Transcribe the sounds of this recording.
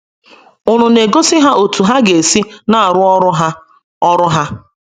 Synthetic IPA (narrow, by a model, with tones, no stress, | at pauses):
ʊ˨nʊ˨ne˨ɡo˦si˦ɦa˦ʔo˨tu˨ɦa˦ɡe˨si˦na˦a˨ɾʊ˦ɔ˦ɾʊ˦ɦa˦ | ɔ˦ɾʊ˦ɦa˦